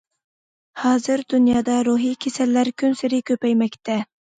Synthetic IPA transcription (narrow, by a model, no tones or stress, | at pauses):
hɑːzɨɾd̪unjɑːd̪ɑɾuɦikʲʰesɛlːæɾkʲʰynsɪɾɪkʲʰøpɛjmɛk̚ʲt̪ʰɛ